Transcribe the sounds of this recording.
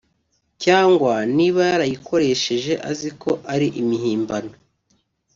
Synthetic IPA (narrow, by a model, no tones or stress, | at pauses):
caːŋɡwaniβajaɾajiko̞ɾe̞ʃe̞ʒe̞ʔazikʰo̞ʔaɾiʔimiɦiːmbano